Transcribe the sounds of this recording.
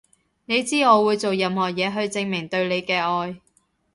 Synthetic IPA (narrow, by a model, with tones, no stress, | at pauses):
ne˨˧jt͡siː˥ŋɔː˨˧wuː˨˧jt͡so˨wjɐ˧mhɔː˨˩jɛː˨˧ɦɵ˧ɥt͡sɪ˧ŋmɪ˨˩ŋt̪ɵ˧ɥle˨˧jkɛː˧ɔː˧j